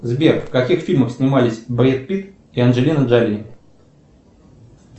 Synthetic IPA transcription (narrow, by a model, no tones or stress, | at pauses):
zbʲerkfkɐkʲixfʲilʲməxsʲnʲɪmalʲɪsʲbɾʲet̪̚pʲit̪ | iɐnʐɨlʲinəʐalʲi